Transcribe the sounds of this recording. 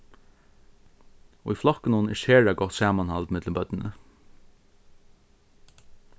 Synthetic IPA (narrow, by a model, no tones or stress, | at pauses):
ṵjflɔknʊnɪʃheːɹaɡɔht̪saːmanhalt̪mɪt̪ləmbœt̪nɪnə̰